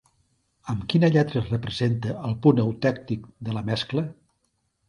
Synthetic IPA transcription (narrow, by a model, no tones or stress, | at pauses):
əmkinəʎɛt̪ɾəsrəpɾəzent̪əʔəlˠpunəwt̪ɛk̚t̪ikd̪ələmɛsklə